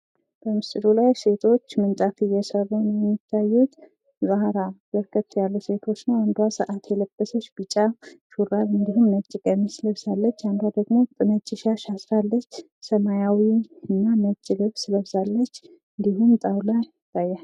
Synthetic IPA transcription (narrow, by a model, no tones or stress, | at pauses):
b̥əmɨst̪ɨd̪ulajse̞t̪ʰo̞t͡ʃːmɨnt̪ʼafɨjːɛsərːənjɛmːit̪ʰːajːut̪ | bahɾabəɾkʰət̪ːjalːuse̞t̪ʰo̞t͡ʃːnəwand̪wasəʔat̪ʰjɛləb̥ːəsət͡ʃːbɨt͡ʃʼːaʃuɾalɨnd̪iɦumnət͡ʃʼːɪɡʼəmsɨləβzalːət͡ʃːand̪wad̪əɡmo̞t̪ʼɨmət͡ʃʼːɪʃaʃasɾalːət͡ʃː | səmajawiɨnːamət͡ʃʼːɪɡəβsɨləβzalːət͡ʃː | ɨnd̪ihumt̪ʼawlaj | t̪ʼajːal